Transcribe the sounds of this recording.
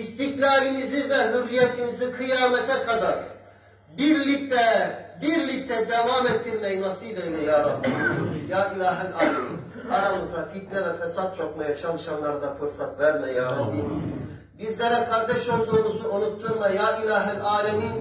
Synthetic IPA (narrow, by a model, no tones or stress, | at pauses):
ist̪ihlʲaːɾimizivɛɦyɾːijɛt̪ʰimizikʰɯjaːmɛt̪ʰɛkʰad̪aɾ | biɾlʲic̚t̪ʰɛbiɾlʲic̚t̪ʰɛd̪ɛvaːmet̪ʰːiɾmɛjinasɯjlʲajlʲɛjaːɾalijjaːilʲaːɦilʲaːlʲɛmiːn | aɾamɯzafit̪̚nɛvɛfɛsat̪̚t͡ʃʰokmajat͡ʃʰalˠɯʃanlˠaɾd̪afɯɾsat̪væɾmɛjaːɾalːin | bizlʲɛɾɛkʰaɾd̪ɛʃo̞lˠd̪uːmuzuonut̪ʰːuɾmajaːilʲaːɦilʲaːlʲɛmiːn